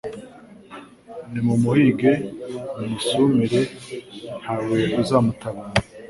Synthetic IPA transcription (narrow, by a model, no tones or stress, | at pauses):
nimumuhiɡenumisumiɾe | hawekuzamutaβana